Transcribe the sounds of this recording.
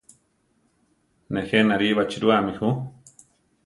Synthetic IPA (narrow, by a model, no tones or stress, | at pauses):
nẽxenaɾiβat͡ʃiɾuamĩhu